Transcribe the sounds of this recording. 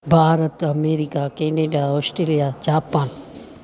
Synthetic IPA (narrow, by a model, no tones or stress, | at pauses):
bʱaːɾət̪ɐmeːɾikakeːneːɖaɔːsʈɾeːlijad͡ʒaːpaːn